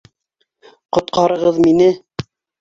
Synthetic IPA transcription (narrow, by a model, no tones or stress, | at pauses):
qŏt̪̚qʰɑɾɤ̆ʁɤðminɘ